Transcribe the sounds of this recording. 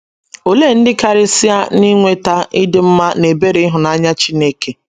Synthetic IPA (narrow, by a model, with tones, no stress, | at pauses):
o˨le˦˨n̩˦dɪ˦ka˨ɾɪ˦si˦a˦ni˦ŋʷe˦ta˦ɪ˦dɪ˦m̩˦ma˦ne˨be˦ɾi˨˦ɦʊ˨na˦ɲa˦t͡ʃi˦ne˦ke˨